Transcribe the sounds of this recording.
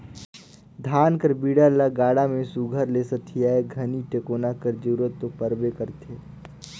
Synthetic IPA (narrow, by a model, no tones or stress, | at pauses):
d̪ʱaːnkəɾbiːɽalaɡaːɽamẽsuɡʱəɾleːsət̪ʰːijaːeɡʱəniʈeːkoːnakəɾd͡ʒuɾət̪ːopəɾbekəɾt̪ʰeː